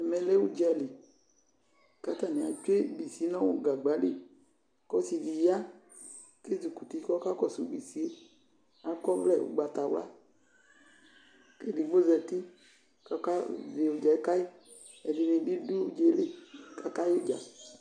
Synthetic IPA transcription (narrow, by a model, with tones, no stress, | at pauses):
ɛ˨mɛ̃˨le˦wu˦d͡ʒɛ˨li˨ | ka˦t̪a˨nẽ˨a̰˨t͡ʃe˦bi˨si˨˦nã˦wo˦ɡa˨ɡ͡ba˨˦ɖe˨ | kɔ˦si˨vi˨ja˦ | ke˦zu˨ku˨t̪i˦kɔ˦ka˦kɔ˦sṵ˦˨ɡ͡bi˨si˦e˦ | a˦kɔ˦vlɛ˦˨wo̰˨ɡ͡ba˨t̪a˨wla̰˦ | ke˦ɖi˨ɡ͡bo˦zɛ˨t̪i˦ | ka˦ka˦ve˨wo˨d͡ʒa˨e˦ka˦i˦ | e˨ɖe˨nẽ˨bi˦du˦wo˦d͡ʒe˦le˨ka˦ka˦jo˦d͡ʒa̰˨